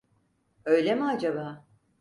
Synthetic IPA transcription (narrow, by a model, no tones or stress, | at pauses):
ø̞jlʲemiad͡ʒabaː